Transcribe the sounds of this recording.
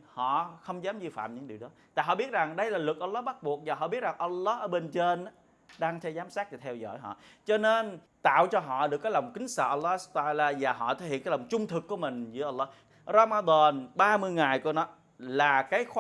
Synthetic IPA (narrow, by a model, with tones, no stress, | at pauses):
hɔ̰˧˨xə˧wŋ͡mzaː˨˦mzi˧fa̰ː˧˨mɲɨ̰˧˥ŋɗi˨˩əwɗɔ˨˦t̪a̰ː˧˨jɦɔ̰˧˨ɓi˦˥ət̚za˨˩ŋɗə˧jlaː˨˩lwɨ˨˩k̚ʔə˧wlːɔ˨˦˥ɓa˦˥t̚ɓu˨˩ək̚vaː˨˩ɦɔ̰˧˨ɓi˦˥ət̚za˨˩ŋʔə˧lːɔ˦˥ʔəː˧˦ɓe˧nt͡ɕe˧n˦ | ɗaː˧ŋt̪ʰɛ˧wzaː˨˦msaː˦˥k̚vaː˨˩t̪ʰɛ˧wzɔ̰˧˨jɦɔ̰˧˨t͡ɕɔ˧ne˧n | t̪a̰ː˧˨wt͡ɕɔ˧ɦɔ̰˧˨ɗɨ˨˩əkːaː˨˦jlɔ˨˩wŋ͡mkï˨˦ŋ̟sə̰ː˧˩ʔə˧lːɔ˦˥˦su̥˦˥p̚t̪a˧aː˧laː˧vaː˨˩ɦɔ̰˧˨t̪ʰəe˧˦jhḭ˧˨nkaː˨˦jlɔ˨˩wŋ͡mt͡ɕʊ˧ŋ͡mt̪ʰɨ˨˩kːu˧˩əmï˨˩ŋ̟zɨ̰˨˦əʔə˧wlɔ˨˦˥ | ra˧maː˧d̪ɔ˨˩nɓaː˧mɨ˧əjŋa˨˩jku˧˩ənɔ˨˦ | laː˨˩kaː˨˦jx